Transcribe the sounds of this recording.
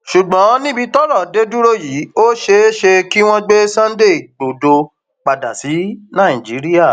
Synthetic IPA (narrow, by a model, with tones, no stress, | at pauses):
ʃu˨ɡ͡bɔ̃˨˦nĩ˦bi˧tɔ˦ɾɔ̃˨de˦du˦ɾo˦ji˨˦o˦ʃe˧˦ʃe˧ki˦w̃ɔ̃˦ɡ͡be˦sã˦n˦de˦˨ɡ͡bo˨do˧ | k͡pa˨da˨si˨˦nã˦˨ĩ˨d͡ʒi˨˦ɾi˦ja˦˨